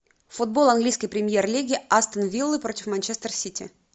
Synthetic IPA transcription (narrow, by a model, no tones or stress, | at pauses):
fʊd̪̚bo̞lˠɐnɡlʲijskəjpɾʲɪmʲjerlʲiɡʲɪast̪ənvʲilˠːɨpɾotʲɪfmɐnʲt͡ɕest̪ərsʲitʲɪ̰